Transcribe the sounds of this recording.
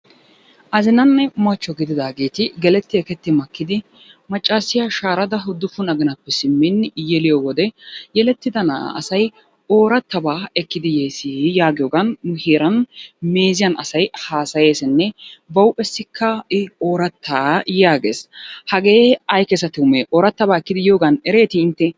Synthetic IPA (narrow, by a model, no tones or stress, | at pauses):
ʔɐzɪnɐnːɛmɐt͡ʃːɔɡɪd̪ɪd̪aːɡeːt̪ɪɡɛlɛt̪ːɪɛkɛt̪ːɪmɐkːɪd̪ɪ | mɐt͡ʃʼːaːsːɪjaʃaːɾɐd̪ɐɦʊd̪ːʊfʊnɐɡɪnɐpːɛsɪmːɪnːjɛlɪjowɔd̪ɛjɛlɛt̪ːɪd̪ɐn̰ɐ̰sɐj | o̞ːɾɐt̪ːɐbaːɛkːɪd̪ɪjeːsɪjaːɡɪjoːɡɐnʊheːɾɐnme̞ːzɪjɐnɐsɐjhaːsɐje̞ːsɛnːɛbɐwpʼːɛsːɪkʰːɐɪoːɾɐt̪ʰːaːjaːɡḛːshɐɡe̞ːɐjkɛsɐt̪ɪʊmeʔoːɾɐt̪ːɐbaːɛkːɪd̪ɪjo̞ːɡɐnɛɾe̞ːt̪ɪɪnt̪ːɛ